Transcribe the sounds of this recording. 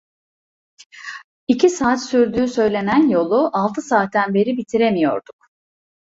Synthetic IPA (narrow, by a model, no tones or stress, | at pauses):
icʰisaːt̪syɾd̪yːsø̞jlʲe̞nænjo̞lˠuʔalˠt̪ʰɯsaːt̪ːænbe̞ɾibit̪ʰiɾemijo̞̰ɾd̪̥uk